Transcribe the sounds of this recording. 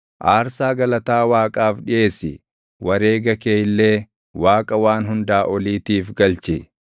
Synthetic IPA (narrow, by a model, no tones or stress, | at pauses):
ʔaːɾsaːɡɐlɐt̪aːwaːkʼaːfᶑɪʔe̞ːsɪ | wɐɾe̞ːɡɐkeːjɪlːeː | waːkʼɐwaːnɦʊnd̪aːʔɔliːt̪iːfɡɐlt͡ʃɪ